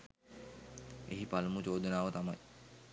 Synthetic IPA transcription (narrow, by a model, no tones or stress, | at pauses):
ḛɦipalmut͡ɕowd̪ʱunaːot̪amaj